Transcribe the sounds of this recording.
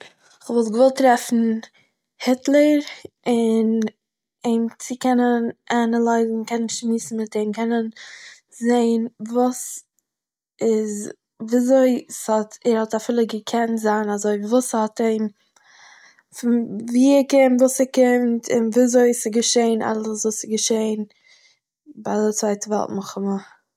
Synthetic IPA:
ɪχvɔlˠtɡəvɔlˠtɾɛfn̩ | hɪtlˠəɾ | ɪn | eɪmt͡sɪkɛnənʔanəlˠaɪzn̩kɛnənʃmiːsn̩mɪteɪmkʰɛnən | zeɪnvuːs | ɪz | vizoɪshɔtɛɾhɔtafɪlˠəɡəkʰɛntzaːnazoɪvuːshɔteɪm | fɪnviːɪɾkɪmtvuːsɪɾkɪmtʰɪ̰nvizoɪɪsɪɡəʃeɪnʔa̰lˠəsvuːsɪɡəʃeɪn | baɪdɪt͡svaɪtəvɛ̰lˠtmʊχʊmə

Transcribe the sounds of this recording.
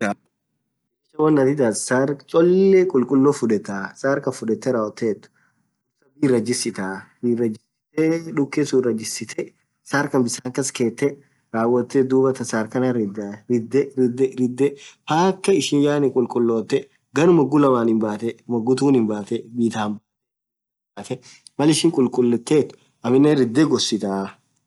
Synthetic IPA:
ʃɐwɐnːɐt̪ɪt̪assaːɾt͡ʃʼɔlːekʼʊlkʼʊlːoːfʊᶑɛt̪ːaːsaːɾkɐfʊᶑɛt̪ːɛɾaːwɔt̪ːeːt̪ːʊ̥ | ʊsɐbiːrːɐd͡ʒɪsːɪt̪aːbiːrːɐd͡ʒːɪsɪt̪eᶑʊkːeːsuːrɐd͡ʒːɪsɪt̪ʰɛ | saːɾkɐnbɪsaːŋkɐske̞ːt̪ːɛ | ɾaːwːɐt̪ːed̪uːbɐt̪ɐsaːɾkɐnɐɾɪd̪aɾɪd̪d̪ɾɪd̪ːɛpaːkːɐɪʃɪnjaːnɪŋkʼʊlkʼʊlːo̞ːt̪ːɛ | ɡɐnʊmɐɡːʊlɐmaːnɪmbaːt̪ɛmɐɡːʊt̪uːnɪmbaːt̪ɛbiːt̪aːmbaːt̪ɛ | baːt̪ɛ | mɐlɪʃɪŋkʼʊlkʼʊlːɛt̪ːeːt̪ːʊ̥ | ʔɐmɪnːɛɾɪd̪ːeɡɔsːɪt̪aː

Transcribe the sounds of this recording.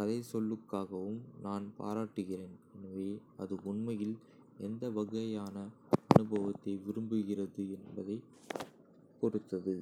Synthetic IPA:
ɐðɐɪsɔlːɯkːaːɣɐʋɯmnaːnpa̰ːɾaːʈːɯɣɪreːnɛnɐʋeːɐðɯʊɳmɐjɪl | ɛnd̪ɐʋɐɣɐjaːnɐɐnɯbɐʋɐt̪ːɐɪʋɪɾɯmbɯɣɪrɐðɯɛnbɐðɐɪ | kːɔɾɯt̪ːɐðɯ

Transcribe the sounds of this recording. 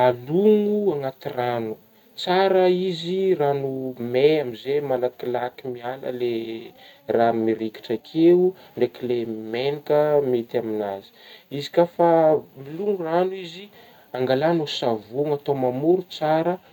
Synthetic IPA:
aluŋuaŋat̪iranu | t͡saɾəiziranumeamizemalakilakimialə̰le | ramiɾiki̥ʈ͡ʂakʰeu | ɳɖ͡ʐeklemenikəmet̪iaminazi̥izi̥kafamiluŋuranuizi | aŋɡalanusavuŋat̪omamuɾut͡saɾə

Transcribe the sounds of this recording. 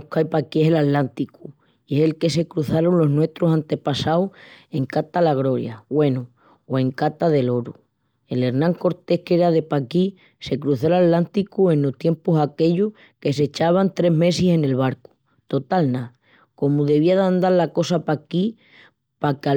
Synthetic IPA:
kajpakie̞ɦelat̪lant̪iku | ie̞se̞lke̞se̞kɾuθaɾonlo̞ɦnwe̞ht̪ɾosant̪e̞pasawe̞ŋkat̪alaɣ̞ɾo̞ɾja̰ɣwe̞nu | oe̞ŋkat̪aðe̞lo̞ɾu | e̞le̞ɾnãŋko̞ɾt̪e̞hke̞ɾaðe̞paki | se̞kɾuθolat̪lant̪ikuẽ̞nloht̪je̞mpusake̞ʎoh | ke̞se̞t͡ʃaβ̞ant̪ɾe̞ɦme̞sise̞ne̞lβaɾku̥ | t̪o̞t̪alna | ko̞muðe̞β̞iaðand̪aɾlako̞sapaki | paka

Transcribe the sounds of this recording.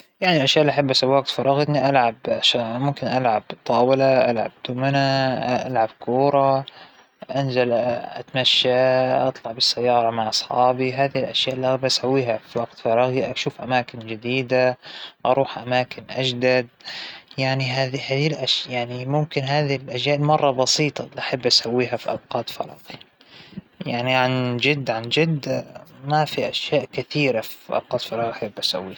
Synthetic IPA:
jaʕnilʔaʃjaːʔɪlːiʔaħabːʔasawːiːwaɡ̚t̪fɑɾˤɑːɣt̪niʔalʕabaʃamʊmkɪnʔalʕabt̪ˤːɑːwɪlaʔalʕa̰b̚d̪ʊmanaʔa̰lʕab̚kuːɾˤɑ | ʔanzalʔa̰t̪maʃːaʔɑt̪ˤlɑʕbɪsːajːɑːɾˤɑmaʕʔɑsˤħɑ̰ːbiɦaːðilʔaʃjaːʔlːiʔɣabʔasawːiːɦafiwaɡt̪fɑɾˤɑːɣiʔaʃuːfʔamaːkɪnd͡ʒɪd̪iːd̪aʔɑɾˤuːħʔamaːkɪnʔad͡ʒd̪ad̪̚jaʕniɦaːðihaːðilʔaʃjaʕnimʊmkɪnɦaːðilʔaʃjaːʔɪlmɑrˤːɑbɑsiːt̪ˤɑliʔaħabːʔasawːiːɦafiʔɑbqɑːt̪fɑ̰ɾˤɑ̰ːɣi | jaʕniʕand͡ʒɪd̪ːʕand͡ʒɪd̪mafiʔaʃjaːʔkɪθiːɾafi̥ʔɑ̰b̚qɑːt̪fɑɾˤɑːɣʔaħɪbːʔasa̰wːiː

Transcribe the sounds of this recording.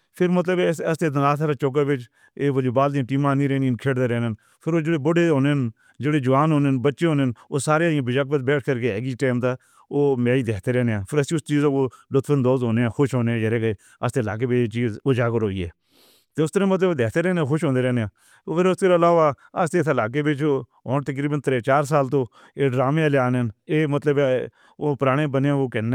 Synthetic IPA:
pʰɪɾmət̪ləbəst̪eːd̪əaːt̪ʰaːɾaːt͡ʃoːk̬aːbɪt͡ʃ | eːod͡ʒeːbaːld̪ĩʈiːmãːnĩːɾɛːniːnkʰeːɽd̪eːɾɛːnen | pʰɪɾoːd͡ʒeɽeːbʊɽeːɦoːnen | d͡ʒeːɽeːd͡ʒʊʋaːnɦoːnenbətːʃeːɦõːnenoːsaːɾeãːbəd͡ʒaːk̚bət̪bɛːʈʰkəɾkeːɛːɡiʈeːmt̪aː | oːmɛ̃ːiːd̪eːkt̪eːɾɛːneːãːpʰɪɾəsĩːʊst͡ʃiːzãːkoːlʊt̪fʰənd̪oːzɦoːneːãːxʊʃɦoːneːd͡ʒəɾeːke | əst̪eːəla̰ːk̬eːbeːt͡ʃeːt͡ʃiːzoːd͡ʒaːkəɾɦoːḭːɛ̰ː | t̪eːʊst̪əɾãːmət̪ləbd̪eːkt̪eːɾɛːneaːxʊʃɦõːnd̪eːɾɛːneãː | pʰɪɾʊst̪əɾalaːʋaːəst̪eːt̪ʰːlaːk̬eːbeːt͡ʃoː | oːnt̪ək̬ɾiːbənt̪ɾeːt͡ʃaːɾs̬aːlt̪õː | eːɖɾaːmeãːljaːnəneːmət̪ləb | oːpɾaːɽ̃ẽːbəneːãːoːkɛːnː

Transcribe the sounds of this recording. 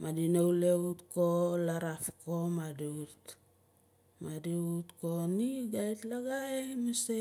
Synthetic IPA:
mʔadinowleutkolaɾafko̞madiut | madiutkoniɡajtlaɡaemese

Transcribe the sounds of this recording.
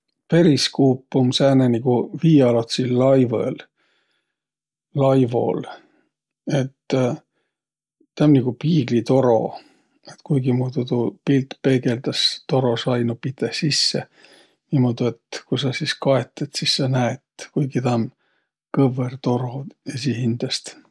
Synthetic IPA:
pe̞ɾiskuːpːˑumsæːneniɡ̥uviːɑlot̪silːɑjvḛl | lɑjvo̞̰l | e̞t̪ː | æmniɡ̥upiːɡ̥lit̪o̞ɾo̞̰ | et̪kujɡ̥imuːd̪ut̪upilt̪pe̞ɡe̞ld̪̥ɑst̪o̞ɾo̞sɑjnupit̪esisːḛ | nimod̪̥uet̪kusɑsiskɑet̪ːˑet̪sisːɑnæet̪kujɡ̥it̪æm | kɤvert̪o̞ɾo̞esihind̪̥ɑst̪

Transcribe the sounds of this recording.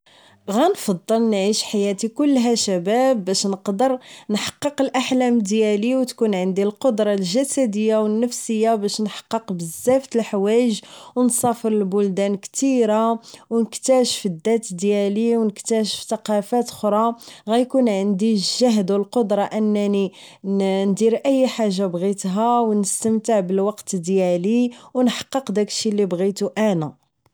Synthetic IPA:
ɣænfɑd̪ˤːəlnʕiʃħajæt̪ikʊlːɦæʃæbæbːæʃnəqd̪əɾnħɑ̥qːəqəlʔaħlæmd̪jæliwt̪kunʕənd̪ilqod̪ɾˤɑlʒæsæd̪əjːawənːəfsəjːabæʃnħɑ̥qːəqbəzːæft̪əlħwæʒwnsˤɑfəɾəlbʊld̪ænkt̪iɾawnəkt̪æʃfid̪ːæt̪d̪jæliwnəkt̪æʃəft̪ɑqɑfæt̪xɾˤɑɣæjkunʕənd̪iʒːæɦd̪wəlqod̪ɾˤɑʔənːæni | nd̪iɾʔəjːħaʒːabɣit̪ɦæwnəst̪əmt̪əʕbəlwɑqt̪əd̪jæliwnħɑ̥qːəqd̪ækə̥ʃilːibɣit̪uʔænæ

